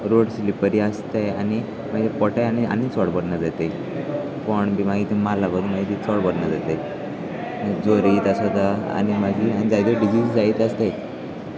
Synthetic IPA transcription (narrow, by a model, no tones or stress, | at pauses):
ɾoɽslipəɾiːəst̪ejani | maɡit̪epɔʈajania̰nit͡sɔɽbəɽnad͡zat̪e | pəɳbimaɡit̪ʰimalabəd̪ʱumaɡiːt̪it͡sɔɽbəɽnad͡zat̪e | id͡zoɾiːt̪asod̪aa̰ñimaɡʱiːañid͡zajd̪oɖid͡ʑiːd͡zd͡zaiːt̪əst̪aj